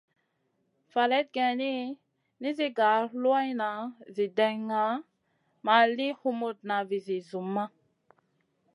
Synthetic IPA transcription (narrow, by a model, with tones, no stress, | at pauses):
fa˨le˦t̪̚ɡɛ̃˨ni˦ | ni˦zi˦ɡa˨lu˦a˦jna˨zi˨dɛ˨ŋːa˨˦ | ma˨li˦hu˦mo˨t̚na˨vi˨zi˨zu˨mːa˦